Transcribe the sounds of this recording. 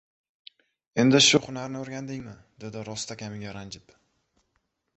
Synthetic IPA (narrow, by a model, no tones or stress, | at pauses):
end̪ɪʃʊχʊnaɾnɪoɾɡʲand̪ɪŋmɪ | d̪e̞d̪ɪɾɒst̪ʰakʲamɪɡʲaɾand͡ʒɪp